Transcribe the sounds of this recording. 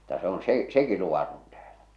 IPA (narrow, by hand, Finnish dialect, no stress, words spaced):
m̥u̥tːɑ se on seˑ seki luʋɑton tæːl̥æ̥